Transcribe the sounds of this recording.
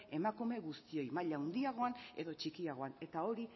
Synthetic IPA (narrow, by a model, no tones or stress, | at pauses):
e̞makume̞ɣust̪io̞jmaʎawnd̪iaɣ̞o̞ane̞ðo̞t͡ʃikiaɣ̞o̞ane̞t̪ao̞ɾi